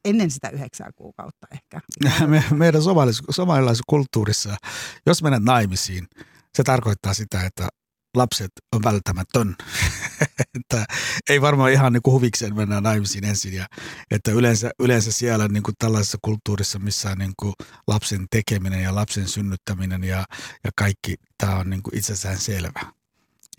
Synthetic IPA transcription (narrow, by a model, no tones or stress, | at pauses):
enːensit̪æ̰yheksæ̰ːkṵːkɑ̰ut̪ːɑ̥ehkæmemeiɾænsomɑlissomɑlilːɑiskult̪ːuːrisːɑjosmenːet̪nɑimisiːn | set̪ɑrkoit̪ːɑːsit̪æet̪ːæ̰ | lɑpset̪onʋælt̪ːæmæt̪øn | et̪ːæeiʋɑrmɑːihɑnniːŋkuhuʋikseːnmenːænɑimisiːnensinjɑet̪ːæylensæylensæsiælonniːŋkutt̪ælːɑisisːɑkult̪ːuːrisːɑmisːæonniŋkulʔɑpsent̪ekeminenjɑlɑpsensynːyt̪ːæminenjɑjɑkɑikːit̪æːonniːŋkuʔḭt̪sesæːnselʋæ